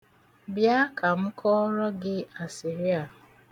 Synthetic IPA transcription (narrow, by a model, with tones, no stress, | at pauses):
bja˦kʰa˨m̩˦kʰɔ˦ɾɔ˦ɡɪ˦a˨si˨ɾi˦a˨